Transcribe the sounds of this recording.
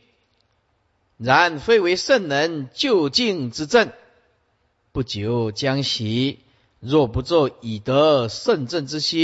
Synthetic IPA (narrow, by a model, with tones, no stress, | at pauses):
ɻa˨˧˦nfe˥˩ɪwe˧˥ɪʂə˥˩nnə˧˦nt͡ɕjo˥˧ʊt͡ɕi˥˧ŋʈ͡ʂɻ̩˧˥t͡sə˥˨n | pu˥˩t͡ɕjo˨˦ʊt͡ɕja˦ŋɕi˨˧˦ | ɹwɔ˥˩pu˧˦t͡swɔ˥˩i˨˩t̪ə˧˦ʂə˥˧˨nt͡sə˥˩˨nʈ͡ʂɻ̩˦ɕi˦